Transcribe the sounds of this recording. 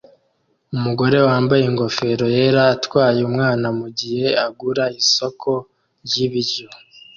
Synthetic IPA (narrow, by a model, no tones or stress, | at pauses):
umuɡo̞ɾe̞waːmbajeŋɡo̞fe̞ɾo̞je̞ːɾaːtwaːjeumŋaːnamuɟihe̞aɡuɾaiso̞kʰo̞ | ɾjiβiɾjo̞